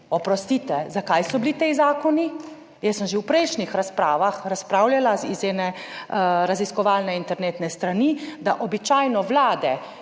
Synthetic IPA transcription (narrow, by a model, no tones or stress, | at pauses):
ɔpɾɔst̪it̪ɛzakajsɔblit̪ezaːkɔni | jɛsːəmʒewpɾɛjʃnixɾaspɾaːʋaxɾaspɾawljalaizɛːnɛ | ɾaziskɔʋaːlnɛint̪ɛɾneːt̪nɛst̪ɾanid̪aʔɔbit͡ʃajnɔʋlaːd̪ɛ